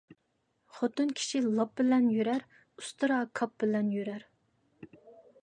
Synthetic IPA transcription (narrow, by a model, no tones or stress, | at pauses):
χot̪unkʲʰi̥ʃilˠɑp̚bɪlɛnjøɾæɾ | ust̪ɨɾɑkʰɑp̚bɪlɛnjøɾæɾ